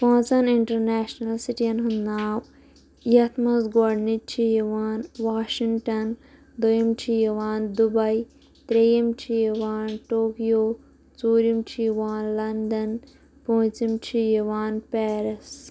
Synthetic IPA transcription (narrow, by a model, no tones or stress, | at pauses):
pãːt͡sɐniɳʈɐɾneːʃnɐlsiʈiɐnɦunːaːw | jɐt̪ʰmɐsɡoɖnit͡ʃʰijɐʋaːnʋaːʃiŋʈɐn | d̪ojimt͡ʃʰijɐʋaːnd̪ubɐi | t̪ɾejɐmt͡ʃʰijɐʋaːnʈoːkijoː | t͡soːɾimt͡ʃʰijʋaːnlɐnd̪ɐn | põːt͡simt͡ʃʰijɐʋaːnpeːɾɐs